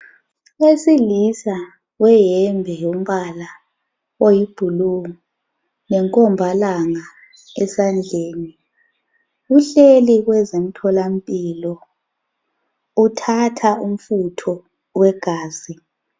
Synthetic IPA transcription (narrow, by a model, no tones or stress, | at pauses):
wesilisa | wɛjɛmbʱɛjum̩βala | ojib̥ʱuluŋu | nɛŋkʼɔmbʱalaŋa | ɛsand͡ɮʱeːni | ɣuɬeliɣwɛzem̩tʰɔlampʼilɔ | utʰatʰaum̩futʰɔ | wɛɡ̥ʱaːzi